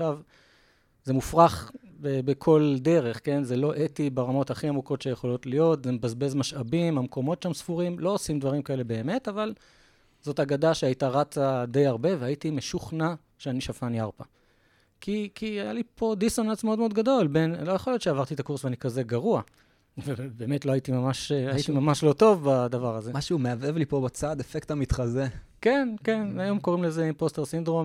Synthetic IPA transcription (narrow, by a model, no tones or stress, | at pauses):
ʃav | ze̞mufʁaχbebekʰo̞lde̞ʁe̞χke̞nzelo̞ʔetibeʁamo̞thaχiamuko̞tʃejeχo̞lo̞tlijo̞tzemebazbe̞zmaʃabimamko̞mo̞tʃamsfuʁimlo̞osimdvaʁimkae̞le̞be̞ːme̞taval | z̥o̞taɡadaʃeajitaʁat͡sad̪e̞jaʁbe̞veaitime̞ʃuχna | ʃeaniʃafanjaʁpa | kʰikʰiaja̰lipʰo̞d̪isonat͡smeo̞d̪meod̪ɡado̞lbe̞nlo̞jaχo̞lijott͡ʃʃeavaʁt̪iet̪akuʁsveanikaze̞ɡaʁua | vebe̞ːme̞tloajitimamaʃajit̪imamaʃlo̞to̞vbad̪avaʁazemaʃumeavevlipo̞bat͡sad̪efektamit̪χazekenke̞najo̞mko̞ʁimlezeposte̞ʁsind̪ʁo̞m